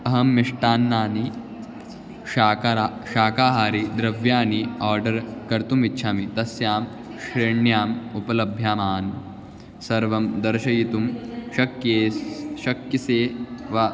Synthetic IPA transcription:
ɐɦɐmːiʂʈaːnːaːni | aːkɾaʃaːkaːɦaːɾid̪ɾɐʋjaːniaːɾɖɐɾkɐɾt̪umitːʃʰaːmit̪ɐsjaːm | ʃɾeːɳjaːmupɐlɐbʱjaːmaːn | sɐɾʋɐmd̪ɐɾʃɐjit̪umʃɐkjeːʃɐkjɐseːʋa

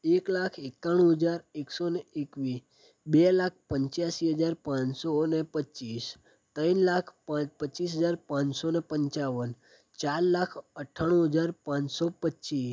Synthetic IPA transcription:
eklakʰekːaɽ̃ũɦəd͡ʒaɾeksoneekʋi | belak̚ʰpəɲt͡ʃjasiɦəd͡ʒaɾpãɲsonepət͡ʃis | t̪ə̃nlakʰpãpət͡ʃis̬ɦəd͡ʒaɾpãɲsonepəɲt͡ʃaʋən | t͡ʃaɾlakʰəʈʰaɽ̃ũɦəd͡ʒaɾpãsɔpətːt͡ʃi

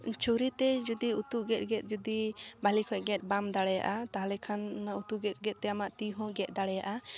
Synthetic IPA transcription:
t͡ʃuɾit̪ɛd͡ʒud̪iut̪uʔɡɛt̪̚ɡɛt̪̚ˀd͡ʒud̪ibalikʰɔɛʔɡɛt̪̚bamd̪aɽɛja̰ʔat̪aɦlɛkʰanːaut̪uɡɛt̪̚ˀɡɛt̪̚t̪ɛamaʔt̪iɦɔ̃ɡɛt̪̚ˀd̪aɽɛjaʔa

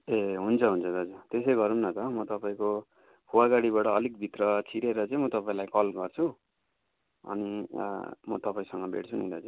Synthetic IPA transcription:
eɦunt͡sʰʌɦunt͡sʰʌt̪ʌʌd͡zurt̪esejɡʌɾumnʌt̪ʌmʌt̪ʌpaĩko | pʰuwaɡaɽibaʈʌːlikbʱit̪rʌt͡sʰiɾeɾʌt͡saĩmʌt̪ʌpaĩlajkʌlɡʌrt͡sʰu | ʌ̰ni | mʌ̰t̪ʌpaĩsʌŋɡʌbʱḛʈt͡sʰunḭ̃d̪ʌt͡sa

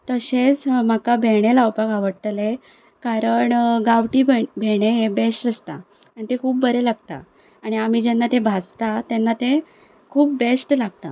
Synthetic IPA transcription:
t̪əɕet͡sm̤akabʱeɽ̃elawpaɡaʋəɽt̪le | kaɾəɳɡaʋʈiːbbʱeɽ̃eebesʈəst̪a | anit̪ẽkʰuːp̚bəɾelaɡ̚t̪a̰ | aɽ̃iam̤id͡ʑɛnːat̪ẽbʱast̪at̪enːat̪ẽ | kʰuːp̚besʈlaɡ̚t̪a̰

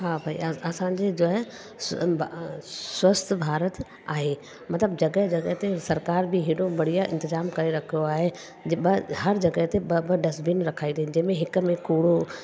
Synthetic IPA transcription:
ɦaːbʱaḭɐɐsãɲd͡ʑed͡ʑoːɦɛ | swɐst̪ʰbʱaːɾət̪ | aːɦe | mɐt̪ləbd͡ʑɐɡəɦd͡ʑɐɡəɦt̪esɐɾkaːɾbʱiɦɪɽobɐɽ̤ijaʔɪ̰̃nt̪ɪzaːmkɐɾeɾɐkʰijoaːɦe | bɦɐɾd͡ʑɐɡəɦt̪ebbəɖɐsbinɾɐkʰaːid̪iɦɪ̃nd͡ʑɐ̃ɦmẽɦɪkmẽkuːɽo

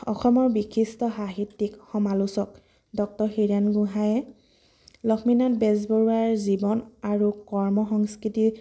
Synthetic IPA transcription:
ɔ̰xɔmɔɹbikʰːistɔxaɦitːikxɔmalusɔk | dɔk̚tɔɹxiɹanɡuɦajɛ | lɔkʰminatbɛzbɔɹuaɹzibɔnaɹukɔɹmɔxɔŋskɹiti

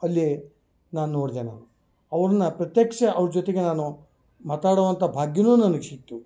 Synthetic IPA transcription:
ɐlːi | naːnunoːɽd̪ena̰ːnu | ɐʋɐɾɐnːɐpɾɐt̪jekʂɐɐʋɾɐd͡ʒot̪eɡe̞naːnu | maːt̪aːɽɐʋɐnt̪ʰɐbʱaːɡjɐnuːnɐnɐɡesit̪ːu

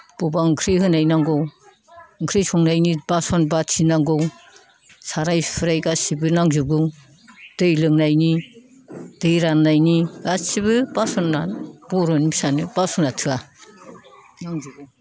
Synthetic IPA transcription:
b̥ɔbaŋkʰɾiɦɯnajnaŋɡɔw | ŋkʰɾisʰɔŋnajnibasɔnbatʰinaŋɡɔw | saɾajpʰɯɾajɡasibɯnaŋzuɡɯ | d̥ɯjlɯŋnajni | d̥ɯjɾanːajniasibɯbasɔnːab̥ɔɾɔnibisanɯbasɔnatʰɯa | naŋd͡ʒuɡɯ

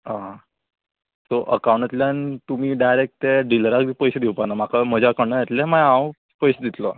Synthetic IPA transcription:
ɦã | soʔəkaw̃ɳʈat̪ljant̪um̤iːɖajɾek̚ʈʈeɖiləɾak̚d̪iːpəjɕed̪iwpanam̤akʰam̤əd͡ʑakəɽɳəjet̪lemajãw | pəjsed̪it̪lo

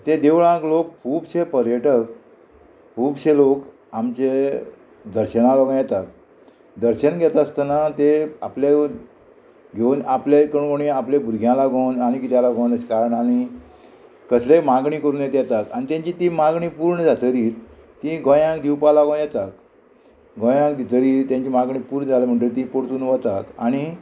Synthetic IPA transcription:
t̪ed̪eʋɭãklok̚pʰuːbɕepəɾjəʈək | puːbɕelok | amt͡ɕe | d̪əɾɕənãlaɡõjɛt̪ak̚ | d̪əɾɕənɡʱɛt̪əst̪ənat̪ea̰plje | ɡʱeunaplekəɳɡoɳĩaplebuɾɡʱjãlaɡʱonañikit̪jãlaɡʱõnəskaɾəɳañi | kəslemaɡɳĩkəɾuːnjɛt̪jɛt̪akañit̪jãɲt͡ɕit̪imaɡɳĩːpuːɾɳəd͡zʱat̪əɾiːɾ | t̪ĩɡõjãkd̪iwpalaɡõnjɛt̪ak̚ | ɡʱõjãkd̪it̪əɾiːɾt̪jãɲt͡ɕimaɡɳĩpuːɾɳəd͡zʱalem̤əɳʈeɾt̪̬ĩpoɾt̪uːnʋət̪akaɽ̃i

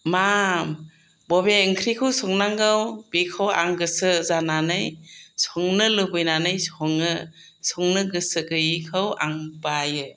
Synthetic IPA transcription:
mam | bɔbeŋkʰɾikʰɯwsɔŋnaŋɡɯwbekʰɯwa̰ŋɡɯsɯzananɯjsɔŋnɯlɯbɯjnanɯjsɔŋɯ | sɔŋnɯɡɯsɯɡɯjikʰɯwa̰ŋbajɯ

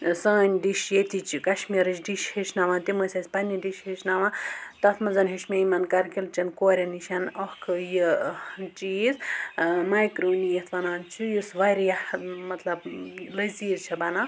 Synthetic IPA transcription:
sɐːnʲɖiʃjet̪ʲit͡ʃikɐʃmiːɾɨt͡ʃʰɖiʃheʃnaʋãt̪imɐsʲɐsʲpɐnʲːiɖiʃheʃnaʋãt̪ɐt̪ʰmɐnzɐnɦeʃmeimɐnkɐɾkilt͡ʃɐnkoːɾʲɐniʃɐnɐhkʰjit͡ʃiːzmajkɾoːnijet̪ʰʋɐnaːnt͡ʃʰujusʋɐɾjɐmɐt̪lɐblɐziːzt͡ʃʰɐbɐna

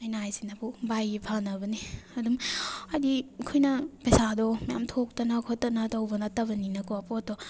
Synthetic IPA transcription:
ɐjnajsinɐpʰubajipʰaŋnɐbɐniɐdumɐdikʰojnɐpɐjsadɔmɐja̰mtʰok̚tɐnɐkʰotːɐnɐtɐwbɐnɐtɐbɐninɐkoapot̚dɔ

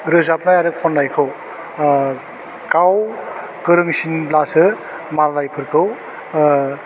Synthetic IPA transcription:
ɾɯzap̚najaɾɯpʰɔnlajkʰɯw | kaw | kɯɾɯŋsinblasɯ | maɾlajpʰɯɾkʰɯw

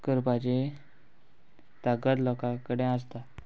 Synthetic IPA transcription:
kəɾpat͡ɕe | t̪aɡət̪lɔkakəɽẽãst̪a

